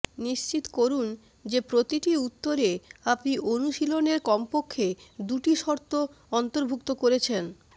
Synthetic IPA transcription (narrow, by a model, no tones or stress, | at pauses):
niʃt͡ɕit̪koɾun | d͡ʑepɾot̪iʈiut̪ːoɾeapniʔonuʃiloneɾkɔmpokʰːed̪uʈiʃɔɾt̪o | ɔnt̪oɾbʱuk̚t̪okoɾet͡ɕʰen